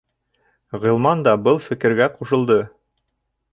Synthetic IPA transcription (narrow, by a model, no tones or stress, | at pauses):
ʁɤ̆lˠmɑnd̪ɑbɤlˠfɘ̆kɘ̆ɾɡæquʃɤ̆lˠd̪ɤ